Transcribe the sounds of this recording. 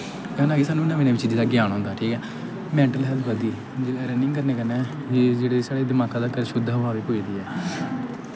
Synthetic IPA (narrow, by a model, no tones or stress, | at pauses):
kɛːnaːɡeːsaːnːũːɪnːãːmeːneːʋɪt͡ʃiːd͡ʒeːd̪aːɡɪjaːnãːnd̪aːʈʰiːkɛː | mɛ̃ːɳʈəlɦɛlt̪ʰʋəd̪iː | d͡ʒeːlɛːɾɛːnɪ̃ŋɡkəɾneːkəɾnɛː | eːd͡ʒeːɽeːsaːɽeːd̪ɪmaːkãːd̪aːkəɾʃʊd̪ʱːaːʋaːʋipoːiːd̪iːɛː